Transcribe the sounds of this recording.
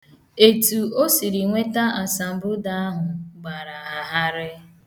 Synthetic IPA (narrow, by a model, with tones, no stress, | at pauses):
e˨tu˨o˦si˨ɾi˨ŋʷe˦ta˦a˨sa˨m̩˨bʊ˦da˨a˦ɦʊ˨ɡ͡ba˨ɾa˨a˨ɦa˦ɾɪ˦